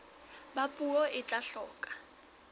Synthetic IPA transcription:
bapʼuɔʔɪt͡ɬʼaɬɔːkʼḁ

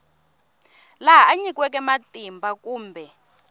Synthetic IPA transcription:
laɦaaɲik̬ʼwɛk̬ʼɛmatʼimbʱakuːmbʱɛ

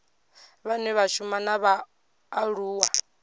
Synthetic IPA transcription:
βanɛβaʃumanaβaː | ɺuːwa

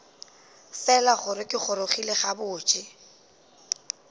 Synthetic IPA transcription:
fɛlaχʊɾɪkʼɪχʊɾoχileχabʊːt͡ʃʼɪ

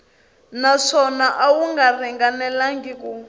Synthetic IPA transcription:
naʂɔnaʔawuŋɡar̤ɛŋɡanɛlaŋɡiku

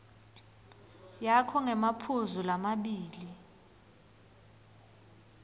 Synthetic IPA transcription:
jakʰɔŋɛmapʰuzulamaɓiːli

